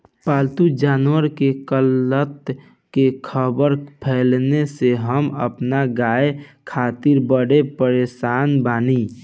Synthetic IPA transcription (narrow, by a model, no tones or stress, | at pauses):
paːlt̪ud͡ʒaːnwəɾkekələt̪ | kekʰəbəɾpʰɛːlneseɦəmə̰pnaɡaːekʰaːt̪ɪɾbəɽepəɾeːsaːnbaːni